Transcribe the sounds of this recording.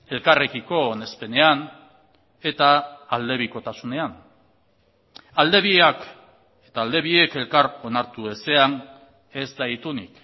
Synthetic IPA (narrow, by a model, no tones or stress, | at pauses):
e̞lkare̞ɣiko̞ːne̞spe̞ne̞an | e̞t̪aːld̪e̞βiko̞t̪asune̞an | ald̪e̞βiak | et̪aːld̪e̞βie̞ke̞lkaɾo̞naɾt̪ue̞se̞an | e̞zd̪ajt̪unḭk